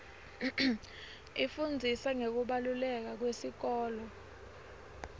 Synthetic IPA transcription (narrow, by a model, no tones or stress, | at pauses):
ifund͡zʱisaŋek̬uɓalulɛk̬ak̬wesik̬ɔːlɔ